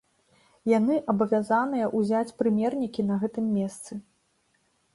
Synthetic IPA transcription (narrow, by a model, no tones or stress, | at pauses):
janɨʔɐbɐvʲazanɨjɐʔuzʲat͡sʲpɾɨmʲɛrnʲikʲinɐɣɛt̪ɨmːʲɛst̪sɨ